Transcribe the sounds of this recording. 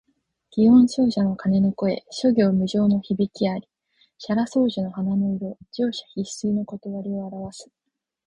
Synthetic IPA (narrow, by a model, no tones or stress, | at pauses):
ɡ̥ʲiõ̞ɰ̃ɕo̞ːɕanokane̞no̞ko̞e̞̰ɕo̞ɡʲo̞ːmɯ̟ʑo̞ːno̞çibʲikʲiaɾʲi̥ | ɕaɾaso̞ːʑɨno̞ɦanano̞iɾo̞d͡ʑo̞ːɕḁçisɨino̞ko̞t̪o̞βaɾʲio̞aɾaβasɨ̥